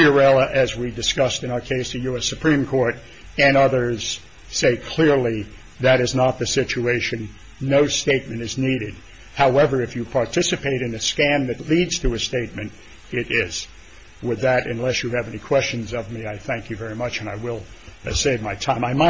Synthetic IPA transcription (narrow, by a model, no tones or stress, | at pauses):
iə˞ɛlˠəʔɨzwidɨskʌstɨ̃ñaʊə˞kʰeɪsðɨjʉɛsɨpʰɹ̥ĩmkʰɔɹɾ | ɨ̃nʌðə˞z̥ | seɪkʰl̥ɪɹli | ðɨɾɨznət̪̚ðɨsɪt͡ʃueɪʃɨ̃nː | oʊsteɪt̚mɨ̃ñtɨzniɾɨd̚ | haʊɛvə˞ɨfjɨpʰɑɹtʰɪsɨpeɪɾɨ̃nɨskæ̃nðɨtˡlidz̥tʰɨɨsteɪt̚mɨ̃nt | ɪɾɪz̥ | wəd̪ðɨɾɨ̰̃nlɛsjɨːvɛnikʰw̥ɛst͡ʃɨ̃n̩zʌvmiaɪθæ̃ŋkjɨvɛɹimʌt͡ʃɨ̃naɪwɪlˠseɪvmaɪtʰãɪ̃maɪma